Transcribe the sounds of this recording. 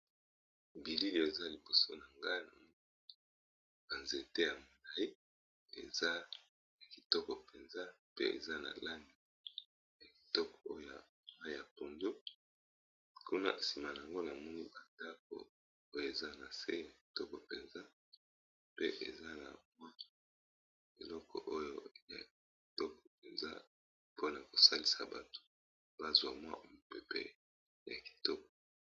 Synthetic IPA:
bi˨li˦li˦˨e˨za˦li˨bo˨so˦na˨ŋɡa˦n˨˦ | ba˨nze˨te˦ja˨mo˨la˨i˦ | ḛ˨za˦ | ja˨ki˨tɔ˦kɔ˨pe˨nza˦pḛ˦ʔḛ˨za˦na̰˨la˦ni˨ | ja˨ki̥˨tɔ˦kɔ̥˨o˦jo˦˨ja˨ma˦ja˨po˨ndo˦ | ku˦na̰˦ʔsi˨ma˨na˨a˨ŋɡo˦na˨mɔ˦ni˦ba˨da˦k̚o̰˨ | o˦jo˨e˨za˦na˨sḛ˦ja˨ki̥˨tɔ˦kɔ˨pe˨nza˦ | pe˦ʔḛ˨za˦na̰˨mwa˦ | e˨lɔ˦kʰɔ̰˨ʔo˦jo˦ja̰˨ | i˨tɔ˦kɔ̥˨pe˨nza̰˦ | po˦na˨ko˨sa˦li˦sa˨ba̰˨to̥˦ | b̥a˦zwa˨mwa̰˦˨mo˨pe˨pḛ˦ | ja˨ki̥˨tɔ˦k̚ɔ̥˨

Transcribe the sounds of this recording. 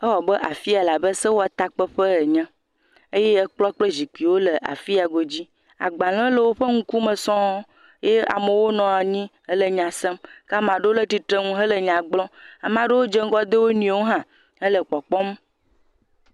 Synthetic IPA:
ə˦wɔ˨bə˦ʔa˨fi˦a˨la˨bə˦sə˦wo˦a˨t̪a˦k͡pə˦ɸə˦ə˨ɲɛ̃˦ | e˦je˦ə˦k͡plɔ˦k͡ple˦zi˨k͡pi˨wo˦lə˨ʔa̰˨fi˦a˨ɡo˨d͡ʑi˦ | a̰˨ɡ͡ba˨l̃ɛ̃˦lə˨wo˦ɸə˦ŋũ˦ku˦mə̃˨sɔ̃˦ | je˦a̰˨mə˨wo˦nɔ̃˨a˨ɲĩ˦ | ə˦lə˨ɲã˨se˦mka˦mã˨ɖe˦wo˦lə˦t̪i˨t̪ɾə˦ŋũ˦ɦə˦lə˨ɲã˨ɡ͡blɔ̃˦a˨mã˦ɖe˦wo˦d͡ʒe˦ŋ˦ɡɔ˦d̪e˦wo˦nĩ˨wo˦ɦã˨ | hə˦lə˨k͡pɔ˨k͡pɔ˦m˦

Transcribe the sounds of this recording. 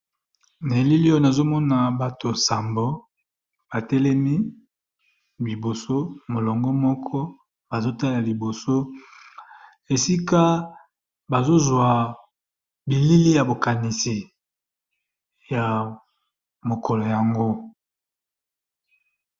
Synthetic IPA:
ne˨li˦li˦o˦˨na˨zo˦mɔ˦na˨ba˨to˨sa˨mbo˦ | ba˨tɛ˦lɛ˦mi˦ | bi˨bo˨so˦mo˨lɔ˨ŋɡɔ˦mɔ˦kʰɔ˦ | ba˨zo˦ta˦la˨li˨bo˨so˦ | e˨si˦ka˦ | ba˨zo˦zwa˨ | bi˨li˦li˦ja˨bo˨ka˨ni˨si˨ | ja˨ | mo˨kɔ˨lɔ˨ja˨ŋɡo˦

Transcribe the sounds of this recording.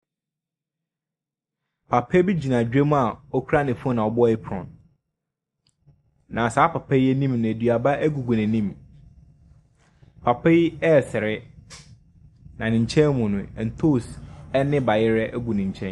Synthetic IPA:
pʰa˨pʰɛ˦bi˦d͡ʑi˨nã˨d͡ʑᶣe˦m̃˦a˨ɔ˦kʰu˦ɾa˦nɪ̃˨fu˦ɔ˦nã˨ɔ˨bɔ˦ɪ˦pʰɔ̰̃˨n | nã˨saː˨˦pʰa˨pʰɛ˦ɛ˦nĩ˦mnã˨e˨dɥa˨ba˦ʔæ˦ɡu˨ɡũ˨næ̃˨nĩ˦m | pʰa˨pʰɛ˦jɛ˦˨sɪ˨ɾɪ˦ | nã˨nɪ̃˨ɲ̩˨t͡ɕʰɛ̃˦nmʊ̃˨nʊ̃˨n̩˨tʰo˦˨sɛ˦nɪ̃˦ba˨jɪ˦ɾɛ˦ʔæ˦ɡu˨nɪ̃˨ɲ̩˨t͡ɕʰɛ̃˦

